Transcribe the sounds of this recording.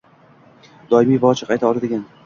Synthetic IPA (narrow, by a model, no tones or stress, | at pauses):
d̪̥ɒɪmijvaɒt͡ʃʰɪ̥qʰɑjt̪ʰaɒlˠad̪ɪɡʲan